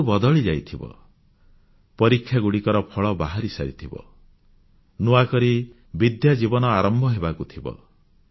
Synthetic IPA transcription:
ubɔd̪ɔɭid͡ʒajt̪ʰibɔ̰ | pɔɾikʰːjaɡuɽikɔɾɔpʰɔɭɔbaɦaɾisa̰ɾit̪ʰibɔ̰ | nuakɔɾi | bid̪jad͡ʒibɔnɔaɾɔmbʱɔɦebakut̪ʰibɔ̰

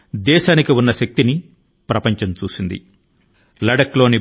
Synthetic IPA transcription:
d̪ɛːʃaːnikiunːɐʃɐk̚t̪ini | pɾɐpɐɲt͡ʃɐmt͡ʃuːsind̪ḭ | lɐɽɐklo̞ːni

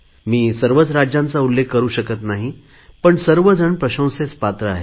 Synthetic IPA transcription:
miːsəɾʋət͡sɾad͡ʑjãnt͡saulːekʰkːəɾuːɕəkət̪naɦi | pəɳsəɾʋəd͡zʱəɳpɾəɕə̃w̃set͡spat̪ɾəa̰ɦḛ

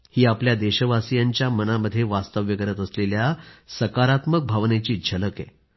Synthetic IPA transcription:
hiːapljad̪eɕəʋasijaɲt͡ɕjamənaməd̪ʱːjeʋast̪əʋjəkəɾət̪əsleljasəkaɾat̪mək̚bʱaʋnet͡ɕiːd͡ʑʱələkḛ

